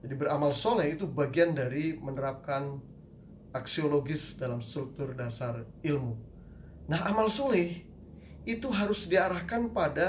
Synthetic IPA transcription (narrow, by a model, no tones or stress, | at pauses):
d͡ʒadibəɾamalsolɛit̪ubaɡiandaɾimənəɾap̚kan | ʔaksioloɡɪsdalamst̪ɾuk̚t̪ʊrdasar | ilmu | naɦamalsolɛh | it̪uɦaɾʊsdiaɾahkanpada